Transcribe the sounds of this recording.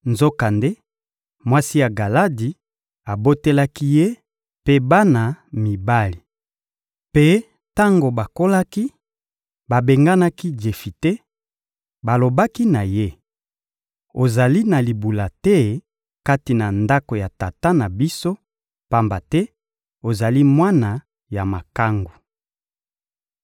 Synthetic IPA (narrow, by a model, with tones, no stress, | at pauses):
nzo˦ka˨nde˦ | mwa˦si˦ja˨ɡa˨la˦di˨ | a˨bo˦te˦la˦ki˦je˦ | pe˦ba˦na˨mi˨ba˦li˨ | pe˦ | ta˦ŋɡo˨ba˨ko˦la˦ki˦ | ba˨be˨ŋɡa˦na˦ki˦d͡ʒe˨fi˨te˦ | ba˨lo˨ba˦ki˦na˨je˦ | o˨za˨li˦na˨li˨bu˨la˨tɛ˦ | ka˦ti˨na˨nda˦ko˨ja˨ta˨ta˦na˨bi˦so˦ | pa˦mba˨tɛ˦ | o˨za˨li˦mwa˦na˨ | ja˨ma˨ka˦ŋɡu˨